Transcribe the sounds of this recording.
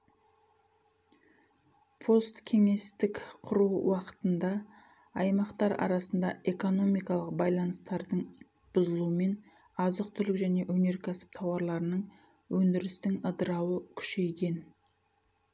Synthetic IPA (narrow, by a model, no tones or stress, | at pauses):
pʰo̞st̪kʲʰe̞ŋe̞st̪ɪkqʰʊɾuwwɑqə̥t̪ənd̪ɑ | ɑjmɑqt̪ɑɾɑ̰ɾɑsənd̪ɑe̞ko̞no̞mijkɑlˠəq̚bɑjlˠɑnəst̪ɑɾd̪əɴ | b̥ʊzəlˠuəme̞n | ɑzəq̚t̪ʰʏɾlɪkʒæne̞ʔwɵne̞ɾkʲʰæsɪ̥p̚t̪ʰɑwɑɾlˠɑɾənəɴ | wɵnd̪ɪɾɪst̪ɪŋəd̪əɾɑwəkʲʰʏ̥ʃe̞jɡʲe̞n